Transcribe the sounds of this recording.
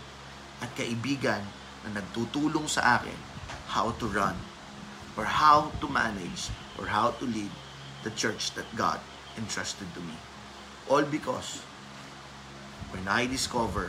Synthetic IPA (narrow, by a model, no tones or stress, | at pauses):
ʔɐt̪̚kɐʔɪbiːɡɐnː | ɐnɐɡ̚t̪uːt̪uːloŋsɐ̰ʔaːkɪ̰nhawt̪ʊɹʌ̃n | ʔɔɹhawt̪ʊma̰nɛd͡ʒʔɔ̰ɹɦawt̪ʊlid̪̚ | d̪ɐt͡ʃɛɹt͡ʃd̪ɐt̪̚ɡa̰d̪̚ | ʔɪ̃nt̪ɹast̪ɛd̪̚t̪ʊmi | ʔolbɪkɔ̰s | wɛnajd̪ɪskɔvɛɹ